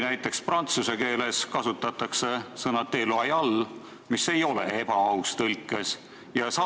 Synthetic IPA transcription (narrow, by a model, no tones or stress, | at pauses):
næjt̪ːˑe̞ksprɑnt̪suse̞ke̞ːle̞skɑsut̪ːˑɑt̪ːˑɑkse̞sɤnɑt̪e̞ːloɑjɑlː | mise̞jo̞le̞̰e̞bɑɑwst̪ɤlʲkːˑes | jɑsɑ